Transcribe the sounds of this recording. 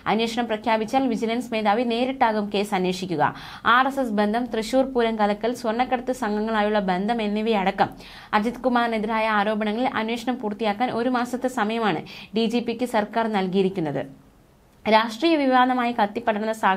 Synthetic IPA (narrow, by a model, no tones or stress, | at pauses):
ɐ̰nweːʂɐɳɐmprɐkʰjaːbit͡ɕːaːlʋid͡ʑilɐnsme̞ːd̪aːʋine̞ːɾiʈːaːɣumke̞ːsɐnːeːʂikʲːuɣɐ̰ | aːresesbe̞nd̪ʱɐmt̪rɨɕuːrpuːɾɐŋkɐlɐkːɐlswɐrɳɐkːɐɽɐt̪ːɨsɐŋɡɐŋːɐɭaːjuɭːɐbe̞nd̪ʱɐme̞nːiʋiɐɽɐkːɐm | ɐd͡ʑɐt̪kumaːrneðiɾaːjɐaːɾo̞ːbɐɳɐŋːɐɭilʔɐ̰nweːʂɐɳɐmpuːrt̪ːijaːkːaːnʔo̞ɾumaːsɐt̪ːɨsɐmɐjɐmaːɳɨ̰ɖid͡ʑiːpːikʲːɨsɐrkaːrnɐlkijiɾikʲːunːɐðɨ̰ | ɾaːʂʈriːjɐʋiʋaːnɐmaːjikɐt̪ːipːɐɽɐɾunːɐsaːɡ